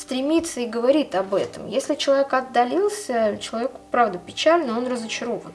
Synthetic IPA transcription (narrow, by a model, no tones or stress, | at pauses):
st̪ɾʲɪmʲit̪səɪɡəvɐɾʲit̪ɐbɛt̪əmjesʲlʲɪt͡ɕɪlˠɐvʲekɐd̪ːɐlʲilˠsʲət͡ɕɪlˠɐvʲekʊ̥pɾavd̪əpʲɪt͡ɕælʲnəo̞nrəzət͡ɕɪɾo̞vən